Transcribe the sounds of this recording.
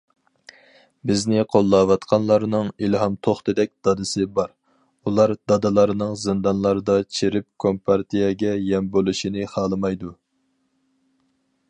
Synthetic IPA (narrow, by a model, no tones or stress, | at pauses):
bɪznɪqʰolˠːɑːwɑt̪qʰɑnlˠɑɾnɨŋilɦɑmt̪ʰoχt̪ɨd̪ɛk̚ʲd̪̥ɑd̪ɨsɨbɑɾ | ulˠɑɾd̪ɑd̪ɨlˠɑɾnɨŋzɨnd̪ɑnlˠɑɾɨd̪ɑt͡ʃʰeɾɪp̚kʰompʰɑɾt̪ʰijɛɡʲɛjɛmbolˠuʃinɨχɑːlˠɨmɑjd̪u